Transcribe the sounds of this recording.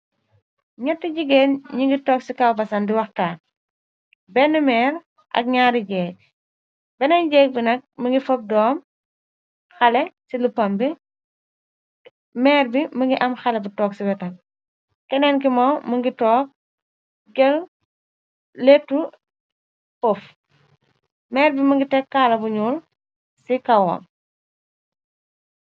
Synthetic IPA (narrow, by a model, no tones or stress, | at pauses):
ɲɐtːiɟiɡɛːnɲiŋɡitɔːksikɐwbɐsɐndiwɐxtaːn | bɛnːumɛːɾ | ʔɐ̰k̚ɲaːɾiɟɛːk̚ | bɛnɐɲɟɛːk̚binɐk̚məŋɡifɔp̚dɔːm | xɐlɛsilupɐmbi | mɛːɾbimɐŋɡiʔɐmxɐlɛbutɔːksibɛtɐl | kɛnɛnk̬imɐwmɐŋɡitɔːk̚ | ɡɛl | letːu | fɔf | mɛːɾbimɐŋɡitɛkːaːlɐbuɲuːl | sikɐwɔ̰m